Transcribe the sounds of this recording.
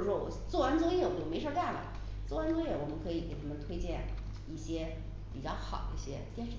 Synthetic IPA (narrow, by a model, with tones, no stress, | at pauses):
ʂwɔ˥˩wɔ̰˨˩t͡swɔ˥˩wa˧˥nt͡swɔ˥jɛ˥˩˥jo˨˩me˧˥ɪʂɑ˥˧t̪a˥˩lə̰˩ | t͡swwa˧˥nt͡swɤ˥jɛ˥˩wɔ˨˩mə˦kʰɤ˧˥i˨˩ke˨˩ɪt̪ʰa˧˥mə˧nt̪ʰwe˥ɪt͡ɕjɛ˥˧n | i˥˩ɕjɛ˥ | pi˨˩t͡ɕjɑ˥˩ʊxɑ̰˨˩˦ʊi˥˩ɕjɛ̰˥t̪jɛ˥˧nʂ